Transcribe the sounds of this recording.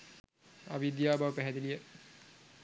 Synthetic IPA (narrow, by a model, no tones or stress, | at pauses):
a̰bid̪jaːbaʋpɛɦɛd̪ilijə